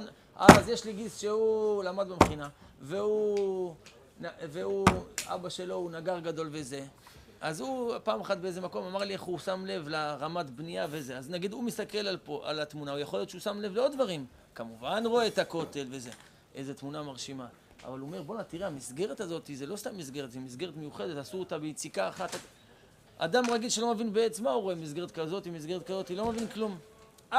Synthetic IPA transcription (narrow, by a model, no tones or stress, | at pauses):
a̰zjeʃliɡisʃeulamad̪bemeχinaveu | naveua̰baʃe̞lo̞unaɡaʁɡad̪o̞lve̞ze̞ | azupaːmaχat̪̚beeze̞mako̞mamaʁlieχusamle̞vlaʁamat̪bnijavezeaznaɡid̪umist̪ake̞lalpoʔa̰lat̪munaujeχo̞lijott͡ʃeusamle̞vleo̞d̪d̪vaʁim | kamuvanʁo̞et̪ako̞te̞lveze̞ | ʔeze̞t̪munamaʁʃima | ʔa̰valuome̞ʁbonat̪iʁeamisɡe̞ʁet̪azo̞t̪izelo̞st̪amːisɡe̞ʁetzemis̬ɡe̞ʁet̪me̞juχe̞d̪e̞t̪asuot̪abejt͡sikaːχat̪a | ʔa̰d̪amʁaɡilʃelo̞mevinbeet͡smauʁo̞e̞mis̬ɡe̞ʁet̪kazo̞t̪imis̬ɡeet̪̚kazo̞t̪ilo̞mevinklum